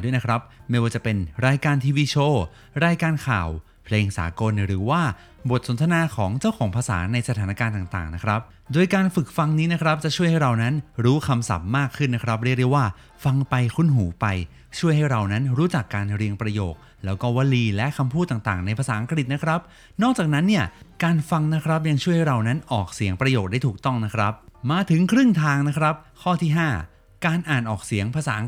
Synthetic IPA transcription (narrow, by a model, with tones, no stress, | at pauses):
du˥˩jna˦˥kʰɾa˦˥p̚ma˥˩jwaː˥˩t͡ɕa˨˩pe˧nɾaː˧jkaː˧nt̪ʰiː˧wiː˧t͡ɕʰoː˥˩ | ɾaː˧jkaː˧nkʰa̰ː˨˩w | pʰleː˧ŋsa̰ː˩˦ko˧nɾɯː˩˦waː˥˩ | bo˨˩t̪̚so˩˦nt̪ʰa˧naː˧kʰɔː˩˦ŋt͡ɕaː˥˩wkʰɔː˩˦ŋpʰa˧sa̰ː˩˦na˧jsa˧t̪ʰaː˩˦na˦˥˩kaː˧nt̪aː˨˩ŋt̪a̰ː˨˩ŋna˦˥kʰɾa˦˥p̚ | doː˧jkaː˧nfɯ˨˩k̚fa˧ŋniː˦˥na˦˥kʰɾa˦˥p̚t͡ɕa˨˩ʔt͡ɕʰu˥˩əjha˥˩jɾa˧wna˦˥nɾuː˦˥kʰa˧msa̰˨˩p̚maː˥˩kʰːɯ˥˩nːa˦˥kʰɾa˦˥p̚ɾi˥˩k̚ɾi˥˩kwaː˥˩ | fa˧ŋpa˧jkʰu˥˩nɦuː˩˦pa˧j | t͡ɕʰu˥˩əjɦa˥˩jɾa˧wna˦˥nɾuː˦˥t͡ɕa˨˩kːaː˧nɾi˧əŋpɾa˧joː˨˩k̚ | lɛː˦˥wkɔː˥˩wa˧liː˧lɛ˦˥ʔkʰa˧mpʰuː˥˩t̪ːaː˨˩ŋt̪a̰ː˨˩ŋna˧jpʰa˧saː˩˦ʔa˧ŋkɾi˨˩t̪̚na˦˥kʰɾa˦˥p̚ | nɔː˥˩k̚t͡ɕaː˨˩k̚na˦˥nːi˥˩ɐkaː˧nfa˧ŋna˦˥kʰɾa˦˥p̚ja˧ŋt͡ɕʰu˥˩əjha˥˩jɾa˧wna˦˥nʔɔː˨˩k̚si˨˩˦əŋpɾa˧joː˨˩k̚daː˥˩jt̪ʰːk̚t̪ɔ˥˩ŋna˦˥kʰɾa˦˥p̚maː˧t̪ʰɯ˩˦ŋkʰɾɯ˥˩ŋt̪ʰaː˧ŋna˦˥kʰɾa˦˥p̚kʰɔː˥˩t̪ʰiː˥˩ɦaː˥˩ | kaː˧nʔaː˨˩nʔɔː˨˩k̚si˨˩˦əŋpʰaː˧saː˩˦˧